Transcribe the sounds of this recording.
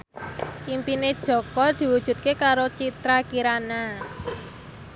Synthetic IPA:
ʔimpined̥ʒ̥ɔ̤kɔd̪̥i̤wud̥ʒ̥ṳt̪̚kekaɾot͡ʃit̪ɾakiɾana

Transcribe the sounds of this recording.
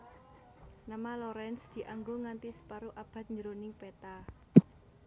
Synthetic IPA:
namaloɾɛnsd̪̥i̤ʔaŋɡoŋant̪isə̥paɾuʔab̥ä̤t̪̚ɲd͡ʒəɾonɪŋpɛt̪a

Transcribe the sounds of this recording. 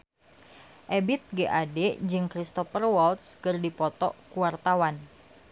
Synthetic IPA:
ʔebɪt̪̚ɡeʔadɛd͡ʒɨŋkɾist̪ɔfərwɔlt̪skɨrdipɔt̪ɔ̰kuwart̪awan

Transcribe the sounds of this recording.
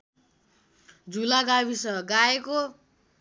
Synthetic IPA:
d͡zulaɡabisʌʌɡaeko

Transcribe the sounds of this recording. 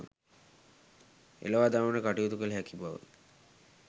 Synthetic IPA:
ḛloʋad̪amənəkaʈiut̪ukəlɦɛkibaʋə̰

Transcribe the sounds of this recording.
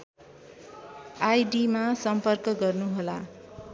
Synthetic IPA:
ajɖimasʌmpʌrkʌɡʌrnuɦola̰

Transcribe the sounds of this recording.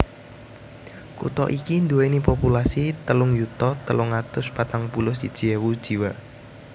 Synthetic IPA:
kṵt̪ɔ̰ʔikind̪uwenipopulasit̪əlʊŋjut̪ɔt̪əlʊŋat̪ʊspat̪aŋpulʊsd̪̥id̥ʒ̥iɛwud̥ʒ̥iwa

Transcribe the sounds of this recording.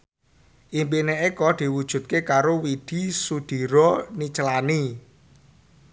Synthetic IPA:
ʔimpineʔekɔd̪̥i̤wud̥ʒ̥ṳt̪̚kekaɾowid̪̥i̤sud̪̥i̤ɾɔnit͡ʃəlani

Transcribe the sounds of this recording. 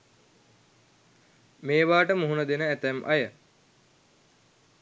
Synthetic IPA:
meːʋaːʈəmuɦunəd̪enəæt̪æmʔa̰jə

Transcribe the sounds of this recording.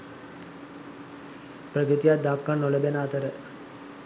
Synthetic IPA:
prəkɾit̪ijat̪̚d̪akːanːoləbenaːt̪əɾə

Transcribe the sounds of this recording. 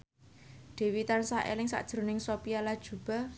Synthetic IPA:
d̥ɛ̤wit̪ansahḛlɪŋsa̰ʔd̥ʒ̥ɾo̤nɪŋsopijalad̥ʒ̥ṳb̥a̤

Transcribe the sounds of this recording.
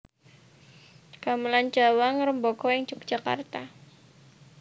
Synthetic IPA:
kaməland͡ʒawaŋɾəmbokɔjəŋt͡ʃuk̚d͡ʒ̥aka̰rt̪a

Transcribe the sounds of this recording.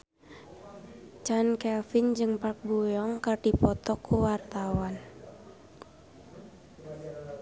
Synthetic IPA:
t͡ʃankɛlfind͡ʒɨŋpak̚bujɔŋkɨrdipɔt̪ɔkʰuwart̪awan

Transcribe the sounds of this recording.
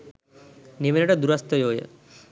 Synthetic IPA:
niʋenʈɐd̪uɾɐst̪əjoːjə̰

